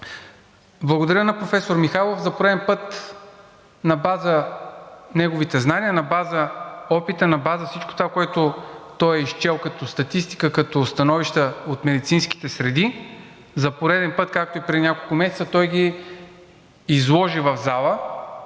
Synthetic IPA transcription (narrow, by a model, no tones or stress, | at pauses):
blˠɐɡod̪ɐɾʲənɐpɾofɛsoɾmixalˠofzɐpoɾɛd̪ɛnpɤt̪ | nɐbazə | nɛɡovit̪ɛznaniənɐbazəɔpit̪ənɐbazəfsit͡ʃko̥t̪ovakoɛt̪ʊt̪ɔjɛiʃt͡ʃɛlˠkɐt̪ost̪ɐt̪ist̪i̥kəkɐt̪ost̪ɐnɔviʃt̪əot̪mɛd̪it̪sinsk̟i̥t̪ɛsɾɛd̪i | zɐpoɾɛd̪ɛnpɤt̪kak̚t̪oipɾɛinʲakolˠkʊmɛsɛt̪sət̪ɔjɡ̟ʲi | zlˠɔʒivɐvzalˠə